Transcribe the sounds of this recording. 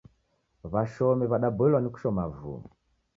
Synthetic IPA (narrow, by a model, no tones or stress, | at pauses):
βaʃɔmiβaɗabɔɛlwaniku̥ʃɔmavṵm